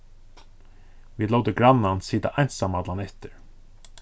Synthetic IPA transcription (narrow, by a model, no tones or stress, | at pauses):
ʋiːlɔːd̪əɡɾɑnɑnsiːd̪ə̰ʔæjnt̪sɑmad̪lɑnɛt̪əɾ